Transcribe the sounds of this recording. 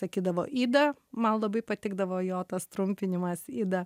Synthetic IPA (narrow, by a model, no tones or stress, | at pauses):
sɐkʲiːd̪ɐʋo̰ːʔiːd̪ɐmɐnlˠɐbɐɪpɐt̪ʲɪɡd̪ɐʋoːjoːt̪ɐst̪ɾʊmʲpʲɪnʲɪmɐsiːd̪ɐ